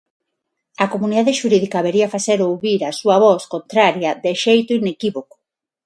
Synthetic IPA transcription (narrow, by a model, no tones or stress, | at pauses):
ɐkomuniðaðeʃuɾiðikɐβeɾiɐfaseɾowβiɾɐsuɐβɔskont̪ɾaɾjɐðeʃejt̪ʊinekiβoko̥